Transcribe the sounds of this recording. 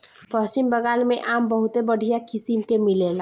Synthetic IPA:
pəsimbəɡalmeʔambəɦut̪ebəɽʱijakisimkemilel

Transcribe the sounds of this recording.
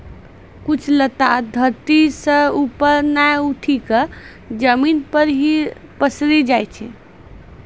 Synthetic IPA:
kut͡ʃʰlət̪ad̪ʱəɾt̪isə̃upəɾnajuʈʰikə | d͡ʒəminpəɾɦi | pəsɾid͡ʒajt͡ʃʰɛ̰

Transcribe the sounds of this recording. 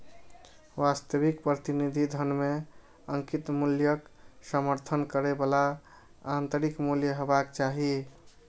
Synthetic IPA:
ʋast̪əβikpɾət̪inid̪ʱid̪ʱənme | əŋkit̪muljəksəməɾt̪ʰənkəɾebəla | ant̪əɾikmuljəɦebakt͡ʃaɦi

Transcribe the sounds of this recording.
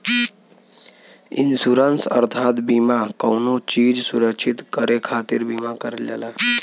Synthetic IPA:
ḭnsuɾənsəɾt̪ʰat̪bimakəwnot͡ɕiːd͡ʑsuɾəkɕʰit̪kəɾekʰat̪iɾbimakəɾla̰la

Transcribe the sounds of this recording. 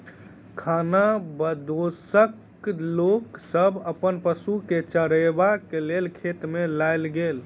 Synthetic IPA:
kʰanabəd̪osək | loksəbʱəpənpəsuket͡ʃəɽebakelelkʰet̪melajlɡel

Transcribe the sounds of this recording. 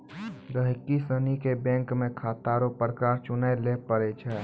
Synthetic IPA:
d̪əɦɪkːisənikebɛ̃ːŋkmẽkʰaːt̪aːɾopɾəkaːɾt͡ʃʊnaelepəɾet͡ʃʰɛː

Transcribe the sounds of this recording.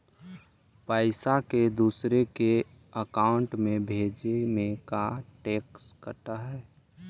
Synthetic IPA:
paːɪsaked̪uːsɾeke | əkaːʊɳʈmẽbʱeːd͡ʒemẽkaʈeːkskəʈ̪aɦɛː

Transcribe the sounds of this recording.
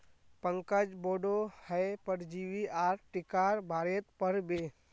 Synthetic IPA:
pə̃ŋkəd͡ʒboːɖohɛepəɽd͡ʒiːwiaːɾʈɪkaːɾbʱaːɾet̪pəɾbeː

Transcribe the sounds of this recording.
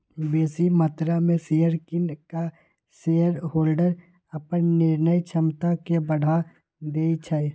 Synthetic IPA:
beːsimət̪ɾamẽsejəɾkɪnka | seːəɾɦoːlɖəɾ | əpənnɪɾnəjt͡ʃʰəmt̪akebəɽ̤ʱa | d̪eːit͡ʃʰaj

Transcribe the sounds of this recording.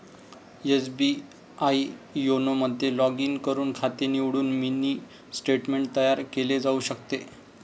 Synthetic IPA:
esbi | aijonoməd̪ʱːjelɔɡiːŋkəɾuːnkʰat̪eniʋɽuːnminiː | sʈeʈmeɳʈ̚t̪əjaɾkeled͡zauɕəkt̪e

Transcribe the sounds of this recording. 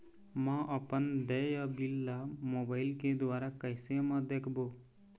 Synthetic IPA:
mãʔəpənd̪ɛːjabilːamoːbaːɪlked̪ʊwaːɾakəɪsemə̃d̪eːkʰboː

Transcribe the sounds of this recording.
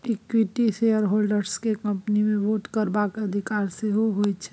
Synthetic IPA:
ekwiʈisejəɾɦolɖəɾskekə̃mpnimẽʋoːʈkəɾbakəd̪ʱikaːɾseɦoɦot͡ʃʰɛ̥

